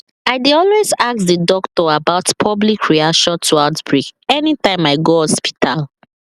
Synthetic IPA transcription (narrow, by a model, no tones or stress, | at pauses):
aɪdeɔlwezak̚ðədɔktɔabaʊtpʰɔblikʰɹiaʃɔ̃ntʰuaʊtb̥ɹikɛnitãɪ̃maɪɡoɔspi̥tʰal